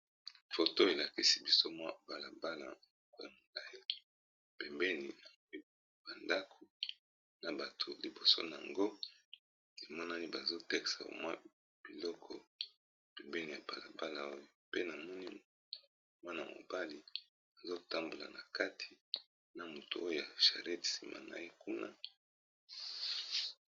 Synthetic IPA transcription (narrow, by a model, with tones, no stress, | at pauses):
fo˨to˦e˨la˨ki˦si˦bi˦so˦mwa˦b̥a˨la˨ba˦la̰˨m˨˦˨ko˦ja˨mo˨la˨e˦l | pɛ˨mbɛ˦ni˨na˨ŋɡe˦ | ba˨nda˦kʰo˨ | na˨ba˨tʰo˨li˨bo˨so̰˦na˨a˨ŋɡo˦ | e˨mɔ˦na˦ni˦ba˨zo˦tɛ˦ksa̰˨o̰˨mwa˦ | b̥i˨lɔ˦kʰɔ˨ | pɛ˨mbɛ˦ni˨ja˨ba˨la˨ba˦la˨o˦jo˨pe˦na˨mɔ˦ni˦˨ | mwa˦na˨mo̰˨ba˦li˨ | a˨zo˦ta˦mbo˨la̰˨na˨ka˦tʰi̥˨ | na˨mo˨to˨o˦jo˦˨ja˨ʃa̰˨ʁe˦ti̥˨si˨ma̰˨na̰˨je˦ku˦na̰˦